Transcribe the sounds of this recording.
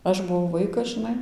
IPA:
ˈɐʃ bʊˈʋɐʊ ˈʋɐɪkɐs ʒɨˈnɐɪ

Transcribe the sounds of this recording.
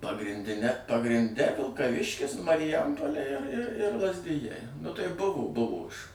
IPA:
pɐɡrʲɪnʲˈdʲɪnʲɛ pɐɡrʲɪnʲˈdʲɛ ʋʲɪlˠkɐˈʋʲɪʃʲkʲɪs mɐrʲɪˈjɛmpoːlʲeː ɪr ɪr ɪr lˠɐzʲˈdʲɪjɛɪ nʊ tɐɪ ˈbʊʋoː ˈbʊʋoː ɪʃ

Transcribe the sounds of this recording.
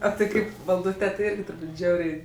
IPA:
oː tʲɪ ˈkɐɪp ʋɐlˠˈduːtʲeː tʲɪ ˈɪrʲɡʲɪ tʊrˈbuːtʲ ˈʒʲɛʊrʲɛɪ

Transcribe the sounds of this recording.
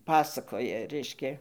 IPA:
ˈpɑːsɐkoːjɛ ˈrʲɛɪʃʲkʲɛ

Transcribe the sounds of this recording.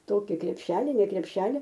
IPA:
ˈtoːkʲɪ krʲɛpʲˈʃʲæːlʲɪ nʲɛ krʲɛpʲˈʃʲæːlʲɪ

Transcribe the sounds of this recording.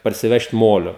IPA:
pɐrʲsʲɪˈʋʲɛʃt ˈmoːlʲoː

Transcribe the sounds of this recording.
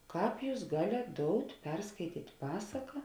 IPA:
ˈkɑːp ˈjuːs ˈɡɑːlʲeːt ˈdoːʊtʲ ˈpʲɛrskɐɪtʲiːtʲ ˈpɑːsɐkɐ

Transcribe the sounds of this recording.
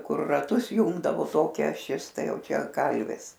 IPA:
ˈkʊr rɐˈtʊs ˈjʊŋɡdɐʋoː ˈtoːkʲɛ ɐˈʃʲɪs ˈtɐɪ ˈjɛʊ ˈt͡ʃʲɛ ˈkɐlʲʋʲɪs

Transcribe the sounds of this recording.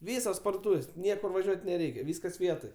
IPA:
ˈʋʲiːsoːs pɐrdoːˈtuːʋʲeːsʲ ˈnʲiɛkʊr ʋɐˈʒʲuɔtʲ nʲɛˈrʲɛɪkʲɛ ˈʋʲiːskɐs ˈʋʲiɛtoːj

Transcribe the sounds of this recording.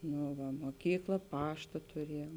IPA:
ˈnʊ ʋɐ moːˈkʲiːklˠɐ ˈpɑːʃtɐ tʊˈrʲiɛjuɔm

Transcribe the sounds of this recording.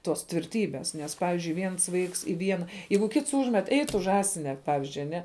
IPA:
toːs tʲʋʲɪrʲˈtʲiːbʲeːs ˈnʲɛs ˈpɑːʋʲɪzʲd͡ʒʲʊɪ ˈʋʲiɛns ˈʋɐɪks ɪ ˈʋʲiɛnɐ ˈjɛɪɡʊ ˈkʲɪts ˈuːʒʲmʲɛt ɛɪ ˈtʊ ˈʒɑːsʲɪnʲɛ ˈpɑːʋʲɪzʲd͡ʒʲʊɪ ɐˈnʲɛ

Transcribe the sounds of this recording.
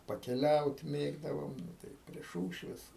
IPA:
pɐkʲɛˈlʲɛʊt ˈmʲeːɡdɐʋoːm ˈnʊ tɐɪ pʲrʲiɛ ˈʃuːʃʲʋʲeːs

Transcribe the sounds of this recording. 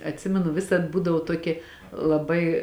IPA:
ɐtʲˈsʲɪmʲɛnʊ ˈʋʲɪsɐt ˈbuːdɐʋoː ˈtuɔkʲeː lˠɐˈbɐɪ

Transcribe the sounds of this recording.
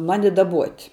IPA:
ˈmɑːnʲɪ dɐˈbuɔtʲ

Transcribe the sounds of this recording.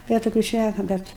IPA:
ˈbʲɛt toːˈkʲuː ˈʃʲnʲækɐ ˈbʲɛt

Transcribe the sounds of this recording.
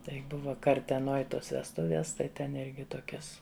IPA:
ˈtɐɪ ˈbʊʋɐ kɐrʲtʲɛˈnoːj ˈtoːs ʋʲɛsˈtʊʋʲiɛs tɐɪ ˈtʲɛn ˈɪrʲɡʲɪ ˈtoːkʲɛs

